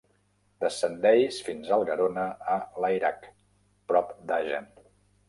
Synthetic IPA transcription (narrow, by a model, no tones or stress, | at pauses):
d̪̥əsənd̪ɛjsfinzəlˠɣəɾonəːləjɾak | pɾɔpd̪aʒə̰n